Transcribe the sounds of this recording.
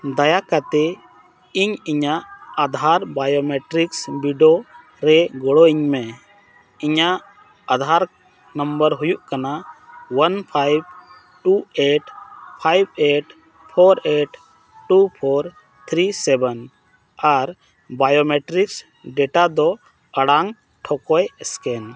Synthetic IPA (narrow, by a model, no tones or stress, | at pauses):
d̪ajakat̪ɛ | iɲiɲaʔad̪ʱaɾbajomeʈɾiksbiɖo | ɾɛɡɔɽɔiɲmɛ | iɲaʔ | ad̪ʱaɾ | nəmbəɾɦujuʔkanawanpʰajb | ʈueʈpʰajbeʈ | pʰoɾeʈ | ʈupʰoɾ | t̪ʰɾisɛbɛn | aɾ | bajomeʈɾiks | ɖɛʈad̪ɔ | əɽaŋ | ʈʰɔkɔjskɛn